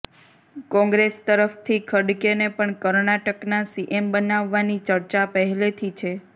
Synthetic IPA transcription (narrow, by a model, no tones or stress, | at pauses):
kɔ̃ŋɡɾest̪əɾəft̪ʰikʰəɽkenepəɳkəɾnaʈəknasiʔembənaʋːanit͡ʃəɾt͡ʃapəɦɛlet̪ʰit͡ʃʰe